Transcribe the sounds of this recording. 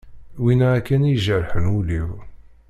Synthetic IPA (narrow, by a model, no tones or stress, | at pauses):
winæækːænjʒəɾħənuliw